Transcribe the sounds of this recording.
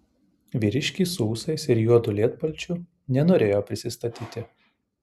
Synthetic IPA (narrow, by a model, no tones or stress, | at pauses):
ʋʲiːɾʲɪʃʲkʲiːsuːsɐɪsɪɾjuɔd̪ʊlʲiɛt̪pɐlʲt͡ʃʲʊ | nʲɛnoːɾʲeːjoːpʲɾʲɪsʲɪst̪ɐt̪ʲiːt̪ʲɪ